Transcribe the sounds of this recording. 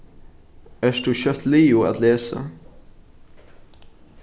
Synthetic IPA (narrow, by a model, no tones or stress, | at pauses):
æːʂd̪ʉːçœt̪liːʊːa̰d̪leːsa̰